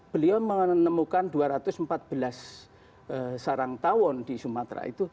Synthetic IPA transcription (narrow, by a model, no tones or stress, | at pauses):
b̥əliɔmənəmukand̪uaɾat̪ʊsmpat̪̚b̥əlas | əsaɾaŋt̪awɔnd̪̥isumat̪ɾa̰ḭt̪u